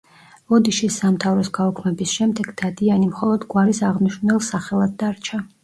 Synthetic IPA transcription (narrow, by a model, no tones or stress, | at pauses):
ɔd̪iʃisːamt̪ʰavɾɔsɡaɔkʰmɛbisʃɛmd̪ɛɡd̪̥ad̪ianimχɔlˠɔd̪ɡwaɾisaʁniʃvnɛlˠsaχɛlˠad̪d̪aɾt͡ʃʰa